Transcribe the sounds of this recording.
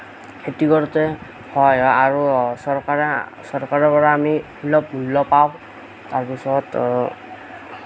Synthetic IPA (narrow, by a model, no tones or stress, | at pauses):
etiɡɔɹɔtɛ | hɔjɔaɹusɔɹkaɹ | sɔɹkaɹɔpɔɹaːmi | ulɔp̚mulːɔpaʊ̃ | taɹpisɔt